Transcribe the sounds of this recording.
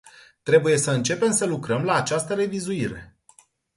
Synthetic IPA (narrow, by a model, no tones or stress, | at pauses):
t̪ɾe̞buje̞səɨnt͡ʃe̞pe̞msəlukɾəmlaːt͡ʃast̪əɾe̞vizuiɾe̞̰